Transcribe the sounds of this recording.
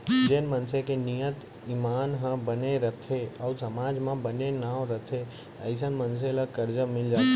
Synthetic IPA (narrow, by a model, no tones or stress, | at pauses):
d͡ʒenmənsekenijət̪ | imaːnɦə̃bəneɾət̪ʰeəusɐmaːd͡ʒmãbənenaːʋɾət̪ʰe | əɪs̬ənməns̬elakəɾd͡ʒəmɪld͡ʒaːt̪e